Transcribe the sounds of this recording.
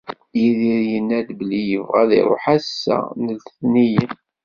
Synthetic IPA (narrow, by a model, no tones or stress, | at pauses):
jiðiɾjənːæd̪bəlijəvʁæ̰ðḭɾˤo̰ħæsːæ̰nəlt̪θnijən